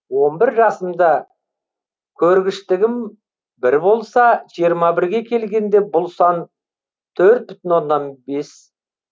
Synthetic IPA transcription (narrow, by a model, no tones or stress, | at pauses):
wo̞nbɪɾʒɑsəmd̪ɑ | kʲʰɵɾɡʲɪʃt̪ɪɡʲɪm | bɪɾbo̞lˠsɑʒ̥ijəɾmɑbɪɾɡʲe̞kʲʰe̞lɡʲe̞nd̪e̞bʊlˠsɑn | t̪ʰɵɾt̪̚bʏt̪ɪnwo̞nːɑnbe̞s